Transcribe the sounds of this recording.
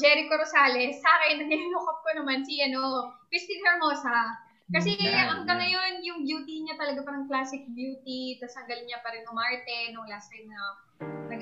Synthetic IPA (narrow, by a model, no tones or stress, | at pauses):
d͡ʒɛɾɪkoɾosaːlɛsːaːkɛnːɐɡɪnɪluːkop̚konɐmansiɐnopɪst̪ilɛɹmoːsa | kɐsɛʔɐŋɡɐŋːɐjo̞njʊŋbjuːt̪iɲat̪ɐlɐɡapɐɾɐŋklaːsɪk̚bjuːt̪it̪asɐŋɡɐlɲapɐɾɛnomaɹt̪ɛnʊŋlasɐjɐ | ɐnɐ